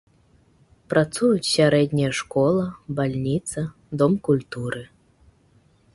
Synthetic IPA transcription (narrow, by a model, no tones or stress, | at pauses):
pɾat̪sujut͡sʲsʲaɾɛd̪ʲnʲijɐʂkɔlˠɐbalʲnʲit̪sɐ | d̪ɔmkulʲt̪uɾɨ